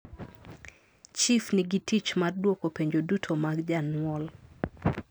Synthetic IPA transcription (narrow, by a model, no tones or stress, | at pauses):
t͡ʃifniɡitit͡ʃmardwokopeɲd͡ʒodutʰomaɡd͡ʒanwɔl